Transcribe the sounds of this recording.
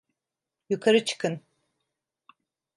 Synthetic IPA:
jukʰaɾɯt͡ʃʰɯ̥kʰɯn

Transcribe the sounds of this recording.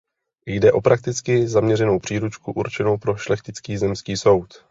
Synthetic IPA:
jdɛʔo̞pɾak̚t̪ɪt͡skɪzamɲɛrɛno̞wpr̝̥iːɾut͡ʃkuʔuɾt͡ʃɛno̞wpɾo̞ʃlɛxc̪ɪt͡skiːzɛmskiːso̞wt̪

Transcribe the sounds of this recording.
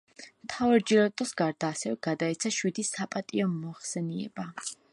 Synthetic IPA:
mt̪ʰavaɾd͡ʒilɔt̪ʼɔsɡaɾd̪aːsɛvɛɡad̪aɛt̪sʰaʃwid̪isapʼat̪ʼiɔmɔχsɛniɛ̰ba

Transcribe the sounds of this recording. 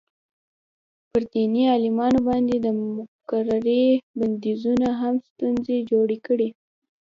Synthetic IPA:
pəɾd̪iniɑlɪmɑnobɑnd̪ed̪əmʊkaɾaɾeband̪izunaɦamst̪unzed͡ʒoɽekəɽi

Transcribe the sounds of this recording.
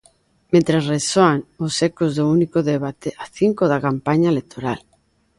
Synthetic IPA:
mẽnt̪ɾasresoaŋosekozðʊunikoðeβat̪eaθiŋkoðakampaɲaelek̚t̪ʰoɾa̰l

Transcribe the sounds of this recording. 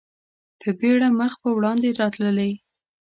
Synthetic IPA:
pʰəbeɽaməxpəwɽɑnd̪eɾɑt̪ləlaj

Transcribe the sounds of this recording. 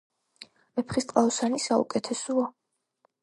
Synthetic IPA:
ɛpʰχist̪ʼqʼaɔsanisaṵkʼɛt̪ʰɛsua

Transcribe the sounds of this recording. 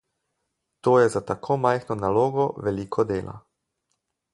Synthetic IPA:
t̪oːjɛzat̪akʰoːmajxnɔnaloːɡɔʋɛliːkʰɔd̪eːlʔa̰

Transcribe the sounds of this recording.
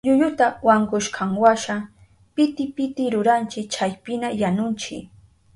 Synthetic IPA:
ʎʊjʊt̪awaŋɡʊʃkʰaŋwaʃa | pɪt̪ɪpɪt̪ɪɾʊɾant͡ʃɪk̚t͡ʃajpɪnajanʊnt͡ʃɪ̰

